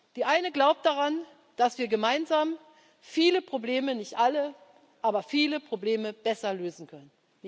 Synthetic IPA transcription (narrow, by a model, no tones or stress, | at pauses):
d̥iːʔaɪnəɡlaʊp̚t̚d̥aʁan | d̥asv̥iːɐɡəmaɪnzaːm | fiːləpʁ̥obleːmənɪçtʔalə | ʔaːbɐfiːləpʁ̥obleːməb̥ɛsɐløːzn̩kʰœnən